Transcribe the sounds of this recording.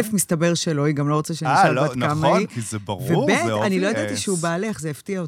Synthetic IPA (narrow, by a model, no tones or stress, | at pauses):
lefmistabe̞ʁʃeloiɡamlo̞ʁot͡saʃeaʃaakamaiizɛbɐʁvebeanilo̞jod̪at̪iʃeubaːleχzejeftiao